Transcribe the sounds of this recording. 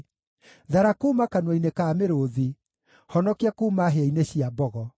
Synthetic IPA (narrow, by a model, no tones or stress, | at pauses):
ðaɾakuːmakanwainekaːmeɾoði | hɔnɔkiakuːmaɦeaineɕiabɔɣɔ